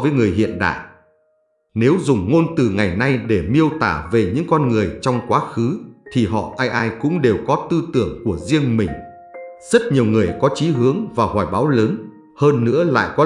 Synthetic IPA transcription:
vəː˨˦jŋɨ˨˩əjɦḭ˧˨ənɗa̰ː˧˨j | ne˨˦wzʊ˨˩ŋ͡mŋo˧nt̪ɨ˨˩ŋa˨˩jna˧jɗe˧˩mi˧əwt̪aː˧˩ve˨˩ɲɨ̰˧˥ŋkɔ˧nŋɨ˨˩əjt͡ɕɔ˧wŋ͡mkwaː˨˦xɨ˨˦t̪ʰi˨˩ɦɔ̰˧˨ʔaː˧jʔaː˧jkʊ̰˧˥ŋ͡mɗe˨˩wkɔ˨˦t̪ɨ˧t̪ɨ˧˩əŋku˧˩əzi˧əŋmï˨˩ŋ̟ | zə˦˥t̚ɲi˨˩əwŋɨ˨˩əjkɔ˨˦t͡ɕi˨˦ɦɨ˨˦əŋvaː˨˩whaː˧˩jɓaː˨˦wləː˨˦n | həː˧nːɨ̰˧˥əla̰ː˧˨jkɔ˨˦

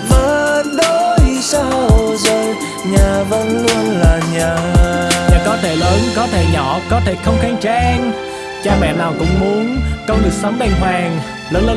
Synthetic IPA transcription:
vəː˨˧˩nɗo˨˧˦i˨˩sa˧wzə˨˩j | ɲaː˨˩və̰˧˥nlu˧ənlaː˨˩ɲaː˨˩a̰˧˨kɔ˨˦t̪ʰe˧˩ləː˨˦nkɔ˨˦t̪ʰe˧˩ɲɔ˧˩˨kɔ˨˦t̪ʰe˧˩xə˧wŋ͡mxaː˨˧ŋt͡ɕa˧ʔɛ˧ŋ | t͡ɕaː˧mɛ̰˧˨naː˨˩wkʊ̰˧˥ŋ͡mmu˨˦ənkə˧wŋ͡mlɨ˨˩k̚sə˨˦ŋ͡mɓɛ˧˩nɦwaː˨˩ŋ | ləː˨˦nləː˨˧˦

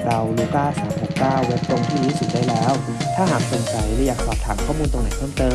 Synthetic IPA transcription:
ɾa˧wluː˧˩kaː˥˩saː˩˦mho˨˩k̚kaː˥˩wːo˦˥t̪̚t̪o˧ŋt̪ʰiː˥˩ɾuː˦˥su˨˩t̪̚daː˥˩jlɛː˦˥w | t̪ʰaː˥˩ɦaː˨˩k̚so˨˧ŋt͡ɕa˧jɾɛ˨˧˥jaː˨˩k̚sʰɔː˨˩p̚t̪ʰaː˩˦mkʰɔː˥˩muː˧nt̪o˧ŋna˨˦jpʰɤː˥˩mt̪ɤː˧m

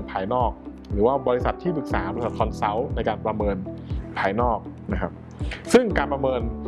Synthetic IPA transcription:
npʰaː˧jnɔː˥˩k̚ | ɾɯː˩˦waː˥˩bɔː˧ɾi˦˥sa˨˩t̪ʰːiː˥˩pʰɯ˨˩k̚saː˩˦bɔː˧ɾsa˨˩t̪̚kʰɔ˧nsa˦˥wna˧jkaː˧npɾa˧mɤː˧npʰaː˧jnɔː˥˩k̚na˦˥kʰa˦˥p̚ | sɯ˥˩ŋkaː˧npɾa˧mɤː˧n

